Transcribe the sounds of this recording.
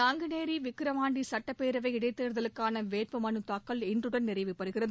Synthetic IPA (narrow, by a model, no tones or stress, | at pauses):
aːŋɡɯneːɾiʋɪkːɯɾɐmaːɳɖisɐʈːɐpeːɾɐʋɐɪɪɽɐɪt̪ːeːɾɯðɐlɯkːaːnɐʋeːrpɯmɐnɯt̪aːkːɐɭɛndrɯɽɐnnːɪrɐɪʋɯpːɐɾɯɣɪrɐð